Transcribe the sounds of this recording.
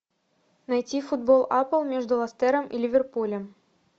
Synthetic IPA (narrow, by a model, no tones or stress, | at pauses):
najtʲifud̪̚bolˠapəlˠmʲeʐd̪ʊlˠɐst̪ɛɾəmʔḭlʲɪvʲerpulʲəm